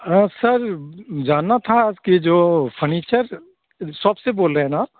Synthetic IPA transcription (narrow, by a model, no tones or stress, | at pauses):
sɐɾd͡ʒaːnːat̪ʰad͡ʒked͡ʒoːpʰəɾniːt͡ʃəɾ | səbseboːlɾeɦɛ̃naː